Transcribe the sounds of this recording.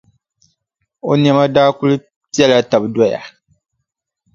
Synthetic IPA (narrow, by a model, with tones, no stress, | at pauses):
o˦n˦ɛ˦ma˦daː˦ku˦lɨ˦ | pi˦ɛ˦la˦ta˨bdɔ˦ja̰˨